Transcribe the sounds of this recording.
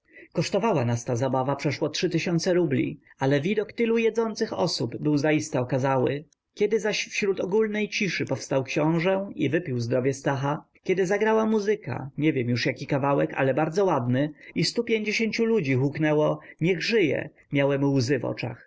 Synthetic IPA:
kɔʂt̪ɔvawanast̪azabavapʂɛʂwɔtʂɘt̪ɘɕɔnt̪sɛɾublʲḭ | alɛvʲid̪ɔkt̪ɘlujɛd̪zɔnt̪sɘxɔ̰subbɘwzaist̪ɛɔkazawɘ̰ | kʲɛd̪ɘzaɕfɕɾut̪ɔɡulnɛjt͡ɕiʂɘpɔfst̪awkɕɔ̃w̃ʐɛivɘpʲiwzd̪ɾɔvʲjɛst̪axa | kʲɛd̪ɘzaɡɾawamuzɘka̰ɲevʲjɛmjuʂjakʲikavawɛka̰lɛbaɾd̪zɔwad̪nɘist̪upʲjeɲd͡ʑeɕeɲt͡ɕulud͡ʑixuknɛwɔɲɛɣʐɘjɛ̰ | mjawɛmuwzɘvɔ̰t͡ʂa̰x

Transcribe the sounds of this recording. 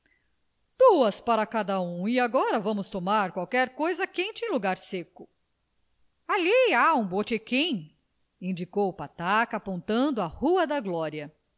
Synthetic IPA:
d̪̥uɐspaɾɐkad̪ɐũiaɡɔɾɐvɐ̃mʊst̪omaɾkwawkɛɾkojzɐkẽnt͡ʃɪẽluɡaɾsekʊ | aliaũbot͡ʃekĩ | ĩd͡ʒikowpat̪akɐapõnt̪ɐ̃nd̪ʊahuɐd̪ɐɡlɔɾiɐ

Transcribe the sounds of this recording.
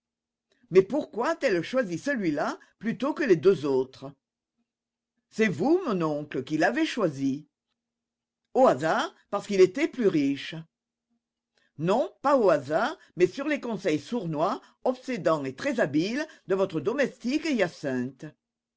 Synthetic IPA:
mɛpuʁkwat̪ɛlʃwazisəlɥila | plyt̪okəled̪øzot̪χə | sɛvumɔ̃nɔ̃kləkilavɛʃwazi | oazaʁpaʁsə̥kilet̪ɛplyʁiʃə | nɔ̃paoazaʁ | mɛsyʁlekɔ̃sɛjsuʁnwa | ɔpsed̪ɑ̃et̪χɛzabild̪əvɔt̪χəd̪ɔmɛst̪ikeijasɛ̃t̪ə

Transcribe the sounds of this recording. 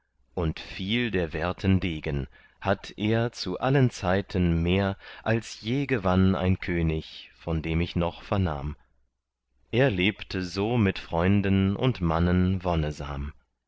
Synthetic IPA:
ʔʊntfiːldeːɐvɛɐtʰəndeːɡən | hatʰʔeːɐt͡suʔalənt͡saɪtʰənmeːɐʔalsjeːɡəvana̰ɪnkʰøːnɪçfɔndeːmɪçnɔχfɛɐna̰ːm | ʔeːɐleːptʰəzoːmɪtfʁ̥ɔʏndənʊ̰ntmanənvɔnəza̰ːm

